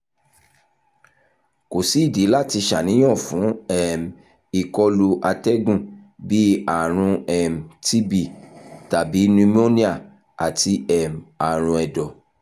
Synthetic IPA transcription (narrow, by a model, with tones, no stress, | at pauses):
ko˨si˨˦i˦˨de˨˦la˦˨ti˧ʃa˨nĩ˨˦j̃ɔ̃˦˨fũ˨˦ɛ˨m˨ | i˨kɔ˧lu˧ʔa˧tɛ˦ɡũ˦˨bi˦a˨ɾ̃ũ˧ɛ˨m̩˨ti˦bi˦˨ta˨bi˨˦nũ˧m˦o˦nĩ˦a˦˨ | a̰˨ti˧ɛ˨m˨a˨ɾ̃ũ˧ɛ˨dɔ˨